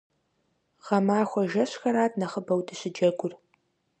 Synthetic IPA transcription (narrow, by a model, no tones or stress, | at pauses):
ʁɐmaːxʷɔʒɐɕxɐɾaːtnɐχəbɐwdʰɨɕɪd͡ʒɐɡʷʼʊr